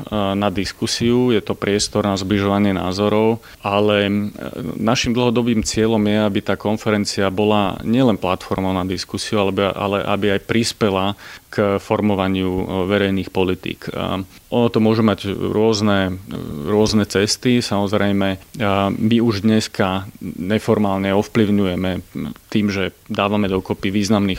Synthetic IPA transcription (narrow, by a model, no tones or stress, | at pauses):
nad̪iskusiujɛt̪ɔpɾɪɛst̪ɔɾnazbliʒɔʋaɲɪɛna̰ːzɔɾɔʊ | ʔalɛ | naʃimd̪l̩ˠɦɔd̪ɔbiːmt͡sɪɛʎɔmjɛabit̪aːkɔnfɛɾɛnt͡siabɔla̰ɲɪɛlɛnplat̪fɔɾmɔʊnad̪iskusiualɛbʔa̰lɛʔa̰biajpɾispɛlakfɔɾmɔʋaɲɪuʋɛɾɛjniːxpɔlit̪ḭːkʔɔnɔt̪ɔmʊɔʒumaɟɾʊɔznɛɾʊɔznɛt͡sɛst̪isamɔzɾɛjmɛ | miuʒd̪ɲɛskaɲɛfɔɾmaːlɲɛɔfpliʊɲujɛmɛt̪iːmʒɛd̪aːʋamɛd̪ɔkɔpiʋiːznamniːx